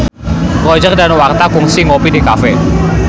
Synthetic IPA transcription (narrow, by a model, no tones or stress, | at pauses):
pɾɔd͡ʒɛk̚danwart̪akuŋsiŋɔpidikafɛ